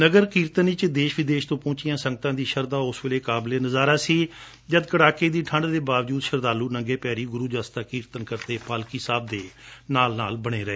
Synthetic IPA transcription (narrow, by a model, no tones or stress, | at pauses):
nəɡəɾkiːɾt̪əniːt͡ʃd̪eːʃʋɪd̪eːʃt̪õːpõːt͡ʃijãːsə̃ŋɡət̪ãːd̪iːʃəɾd̪aːʊsʋeːleːkaːbleːnəzaːɾaːsiː | d͡ʒəd̪kəɽaːkeːd̪iːʈʰə̃ɳɖd̪eːbaːʋd͡ʒuːd̪ʃəɾd̪aːluːnəŋɡeːpɛːɾiːɡʊɾuːd͡ʒaːst̪aːkiːɾt̪ənkəɾt̪eːpaːlkiːsaːb̚d̪eːnaːlnaːlbəɽ̃eːɾəeː